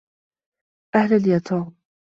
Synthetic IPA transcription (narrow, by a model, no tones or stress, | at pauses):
ʔahlaljat̪ʰɑːm